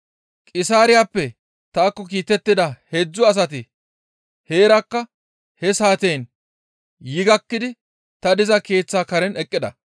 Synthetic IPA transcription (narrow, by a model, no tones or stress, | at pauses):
kʼɪsaːɾɪjaːpːɛ | t̪aːkːɔk̬iːt̪ɛt̪ːɪd̪ɐhed͡zːɔɐs̬ɐt̪̬ɪ | he̞ːɾɐkːɐ | hɛsaːt̪eːn | jɪɡɐkːɪd̪ɪ | t̪ɐd̪ɪzɐke̞ːt͡sːaːkɐɾɛnɛkʼːɪd̪ɐ